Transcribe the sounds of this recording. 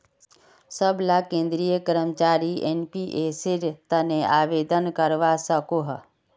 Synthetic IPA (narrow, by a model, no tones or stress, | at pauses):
səblakẽːnd̪ɾijəkəɾəmt͡ʃaːɾieːnpiʔesɪɾt̪əneaːʋeːd̪ənkəɾʋasəkoɦ